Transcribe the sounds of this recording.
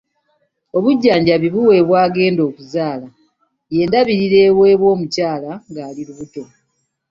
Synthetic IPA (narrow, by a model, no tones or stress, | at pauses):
o̞βuɟːaːɲɟaβiβuwe̞ːβwaːɡe̞ːndo̞ːkuzaːla | je̞ːndaβiɾiɾe̞ːβwe̞ːβwo̞ːmucaːlaŋɡaːliɾuβuto̞